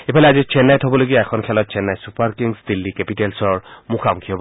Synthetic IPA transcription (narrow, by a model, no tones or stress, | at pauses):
epʰalɛazit͡ʃʰɛnːajtɦɔbɔloɡijɔɛkʰɔnkʰɛlɔt̚t͡ʃʰɛnːajsupaɹkiŋsd̪ilːikɛpitelsɔɹmukʰamukʰiɔbɔ